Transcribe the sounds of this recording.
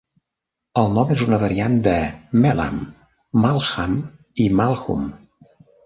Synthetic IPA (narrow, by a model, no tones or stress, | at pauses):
əlˠnɔmezunəβəɾiand̪əmɛla̰mː | alˠxam | imalˠxṵm